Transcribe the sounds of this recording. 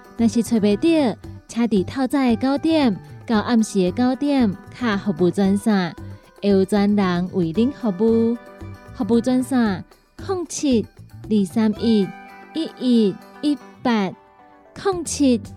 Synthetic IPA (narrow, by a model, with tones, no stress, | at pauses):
nã˨˩ɕi˨˩t͡sʰe˧˩be˨˩t̪ji˥˧˨t͡ɕʰjã˧t̪i˨˩t̪ʰa˥˧wt͡sa˥˧˨e˧ka˦wt̪jɛ˥˧˨mka˧wʔa˥˧mɕi˨˩e˧ka˦wt̪jɛ˥˧mkʰa˧˩hɔ˨˩pu˨˧˩t͡swa˧nsã˧˩ | e˧u˧t͡swa˧nla˨˦ŋwʔi˨˩li˦˥ŋhɔ˧bu˧ | hɔ˨˧pu˧t͡swa˧nsã˧ | kʰɔ˥˨ŋt͡ɕʰi˧t̪̚li˨˩sa˧mʔi˧˩t̪̚i˦˥ʔi˧˩t̚i˦˥pa˧˩t̚ | kʰɔ˥˨ŋt͡ɕʰi˧t̪̚